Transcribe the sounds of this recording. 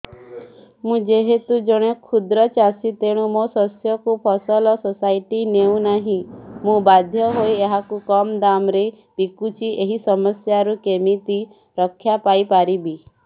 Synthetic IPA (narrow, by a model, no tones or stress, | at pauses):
mũd͡ʒeɦet̪ud͡ʒɔɽ̃ekʰud̪ɾɔt͡ʃasit̪eɽ̃umosɔsjɔkupʰɔsɔlɔsɔsaiʈineũnaɦĩmũbad̪ʱjɔɦojeɦakukɔmd̪amɾe | pikut͡ʃʰiʔeɦisɔmɔsjaɾukemit̪i | ɾɔkʰːjapajpaɾibi